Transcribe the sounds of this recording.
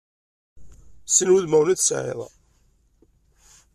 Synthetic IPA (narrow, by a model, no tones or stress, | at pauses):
sənwuðmæwnæðsʕḛðˤɑ̰